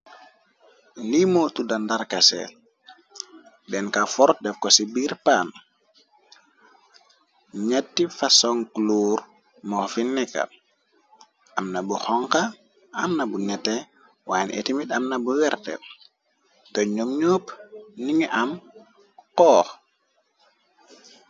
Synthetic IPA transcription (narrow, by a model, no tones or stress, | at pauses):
limotudandaɾkasɛ̰ | dɛnkafɔɾt̚dɛfkɔsibiːɾpaːn | ɲɛtːifasɔŋkluːɾ | mɔfinːɛka̰ | ʔamnabuxɔŋkaː | mnabunɛtːɛ | waːnʔḛtimitamnabuwɛɾtɛ̰ | tɔɲomɲopniŋiʔam | kɔːx